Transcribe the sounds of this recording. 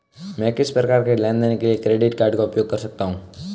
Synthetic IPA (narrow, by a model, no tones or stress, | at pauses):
mɛ̃kɪspɾɐkaːɾkelɛ̃nd̪ənekeliekɾeːɖɪʈkaːɾɖkaʊpjoːɡ̚kɐɾsɐk̚t̪aɦũː